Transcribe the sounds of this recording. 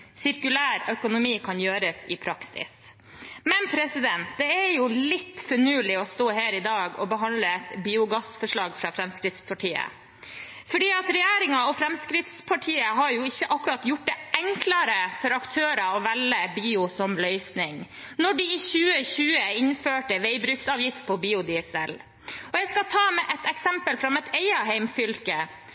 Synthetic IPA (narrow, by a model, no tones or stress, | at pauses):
sɪɾkʉlæːɾœkʊnʊmiːkʰɑnjøːɾəsɪpʰɾɑksɪ̰s | mɛnpʰɾɛsɪd̪ɛnt̪d̪ɛɛɾjʊlɪt̪ːfɔɳʉːlɪɔst̪oːɦæːɾɪd̪ɑːɡɔbəɦɑnd̪ləɛt̪biːʊɡɑsfɔʂɭɑːɡfɾɑfɾɛmskɾɪt̪spʰɑʈʰiːə̰ | fɔɖiːɑt̪ɾɛjæːɾɪŋɑɔfɾɛmskɾɪt̪spʰɑʈʰiːəɦɑɾjʊɪçːəʔɑkːʉɾɑt̪jʊʈ̚ːd̪ɛʔɛŋkʰlɑɾəfɔɾɑkt̪ʰøːɾəɔʋɛlːəbiːʊsɔmlœʏsnɪŋ | nɔɖɪɪçʉːəçʉːəɪnføːʈəʋeɪbɾʉːksɑːʋjɪft̪̚pʰɔbiːʊd̪ɪsɛl | ɔjæɪskɑt̪ʰɑːmɛʔɛt̪ɛksɛmpəlfɾɑmɛt̪ʰɛɪɑɦɛɪmfʏlkə